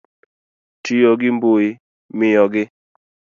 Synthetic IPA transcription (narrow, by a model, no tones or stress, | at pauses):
tijɔɡɪmboi | mɪjɔɡɪ